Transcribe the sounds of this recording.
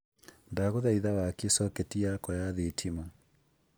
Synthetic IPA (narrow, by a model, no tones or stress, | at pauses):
ndaɣoðaiðawakesɔketijakɔjaðetʰima